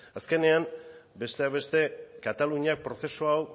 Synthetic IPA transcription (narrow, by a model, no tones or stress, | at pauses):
aske̞ne̞am | be̞st̪e̞aβe̞st̪e̞kat̪aluɲiak̚pɾo̞se̞soaw